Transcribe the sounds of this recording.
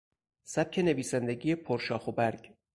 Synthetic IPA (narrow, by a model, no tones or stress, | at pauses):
sæb̚cʲʰe̞ne̞viːsænd̪eɟijepʰoɾʃɒːxobæɾɟ